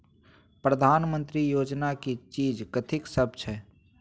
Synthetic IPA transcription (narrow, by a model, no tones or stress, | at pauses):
pɾəd̪ʱaːnmə̃nt̪ɾijoːd͡ʒnakit͡ʃiːd͡ʒkət̪ʰɪksəb̚t͡ʃʰɛː